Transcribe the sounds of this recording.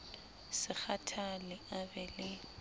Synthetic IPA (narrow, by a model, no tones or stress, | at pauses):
sɪk͡xʰatʰalɪabɛlɪ